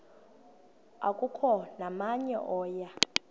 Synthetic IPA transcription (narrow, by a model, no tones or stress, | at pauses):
a̰kʼukʰɔnamaɲɛ̰ʔɔːja